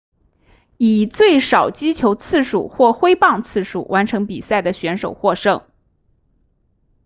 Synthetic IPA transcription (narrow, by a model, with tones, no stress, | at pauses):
i˨˩t͡swe˥˩ɪʂɑ˨˩ʊt͡ɕi˥t͡ɕʰjo˧˥ʊt͡sʰɹ̩˥˩ʂṵ˨˩xwɔ˥˩xwe˥ɪpɑ˥˧ŋt͡sʰɹ̩˥˩ʂṵ˨˩wa˧˥nʈ͡ʂʰɤ˧˥ŋpi˨˩sa˥˩ɪd̪ə˩ɕɥɛ˧˥nʂo˨˩ʊxwɔ˥˧ʂɤ˥˩ŋ